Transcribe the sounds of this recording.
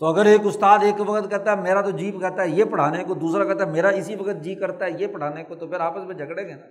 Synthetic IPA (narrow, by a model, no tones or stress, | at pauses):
t̪oɐɡəɾeːkʊst̪aːd̪eːkʋɐkt̪kɐɾt̪aɦɛmeːɾat̪od͡ʒiːpkɛɾt̪aɦɛjepɐɽ̤aːnekod̪uːsɾakɛt̪aɦɛmeːɾaɪsiʋɐkət̪̚d͡ʒiːpkɐɾt̪aɦɛjepɐɽ̤aːnekot̪opɪɾaːpəsmẽd͡ʒʱɐɡɽẽːɡenaː